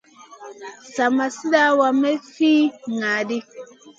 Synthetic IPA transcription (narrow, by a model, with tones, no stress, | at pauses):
sa˨ma˨si˦da˦wa˨me˦fiː˦ŋa˨di˦